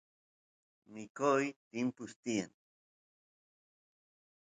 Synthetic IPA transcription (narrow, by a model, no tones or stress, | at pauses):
mikojt̪impʊst̪ia̰n